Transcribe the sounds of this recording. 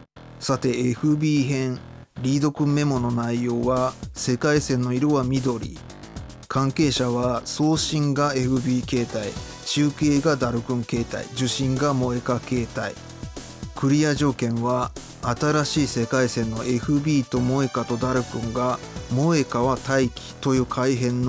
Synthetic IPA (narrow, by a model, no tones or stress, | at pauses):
sat̪e̞ːɸɯ̟bʲiːɦẽ̞ɴ | ɾʲiːd̪o̞kɯ̟̃mːe̞mo̞no̞naijo̞ːβase̞kaisẽ̞nːo̞iɾoβamʲid̪o̞ɾʲḭ | kʰãŋke̞ːɕaβaso̞ːɕĩŋɡae̞ɸɯ̟bʲiːke̞ːt̪ai | t͡ɕɨːkeːɡad̪aɾɯ̟kɯ̟̃ŋke̞ːt̪a̰ḭd͡ʑɨɕĩŋɡamo̞e̞kake̞ːt̪aḭ | kɯ̟ɾʲijaʑo̞ːkẽ̞ɰ̃βaː | t̪aɾaɕiːse̞kaisẽ̞nːo̞ʔe̞ɸɯ̟bʲiːt̪o̞mo̞e̞kat̪o̞d̪aɾɯ̟kɯ̟̃ŋɡamo̞e̞kaβat̪aikʲi̥t̪o̞jɯ̟ːkʰaiɦẽ̞nː